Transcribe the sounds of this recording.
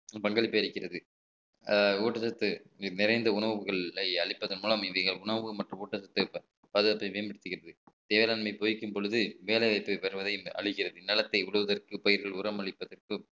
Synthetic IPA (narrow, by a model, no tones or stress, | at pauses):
pɐŋɡɐɭɪpːɯjɐɭɪkːɪrɐðɯ | uːʈːɐsɐt̪ːɯnɪɾɐɪnd̪ɐʊɳɐʋʋɯɣɐɭːɐɪɐɭɪpːɐðɐnmuːlɐmɪʋɐɪɣɐɭʊɳɐʋɯmɐʈrɯmuːʈːɐsɐt̪ːɯ | pɐðɐɐpːɐʋeːmbɐɽɪt̪ːɯɣɪrɐðɯ | t̪eːʋelaːnmɐɪpoːjɪkːɯmpɔɻɯðɯʋeːlɐɪʋɐɪpːɯpɐɾɯʋɐðɐɪɐ̰ɭɪkːɪrɐðɯnːɐlɐt̪ːɐɪʊɻɯʋɐðɐrkɯpɐjɪɾɣɐɭʊɾɐmɐɭɪpːɐðɐrkɯ